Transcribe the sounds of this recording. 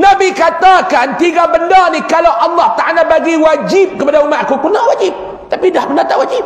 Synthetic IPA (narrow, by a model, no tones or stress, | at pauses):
nabikat̪akant̪iɡabəndanihkalawʔɑlːɑht̪aʔalabaɡiwad͡ʒɪp̚kəpadaumaʔ̪̚kukunaʔwad͡ʒib̚ | t̪apidahbənat̪aʔwad͡ʒɪp̚